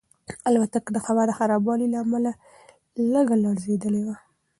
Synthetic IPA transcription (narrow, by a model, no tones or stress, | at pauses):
alwat̪akd̪əxabaɾd̪əxaɾɑbɑlilaːmala | ləɡalɑɽzed̪əlewa